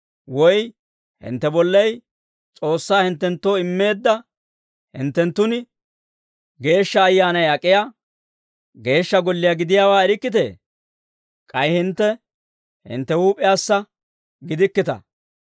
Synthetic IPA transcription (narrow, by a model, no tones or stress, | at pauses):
wɔj | hɪ̰nt̪ːɛbɔlːɛj | t͡sʼo̞ːsːaːhɪnt̪ːɛnt̪ːo̞ːɪmːe̞ːd̪ːɐ | hɪ̰nt̪ːɛnt̪ːʊn | ɡe̞ːʃːɐːjːaːnɐjɐkʼːɪja | ɡe̞ːʃːɐɡɔlːɪjaɡɪd̪ɪjaːwaːɛɾɪkːɪt̪e̞̰ː | kʼɐjhɪnt̪ːɛ | hɪ̰nt̪ːɛhuːpʼɪjaːsːɐ | ɡɪd̪ɪkːɪt̪ɐ̰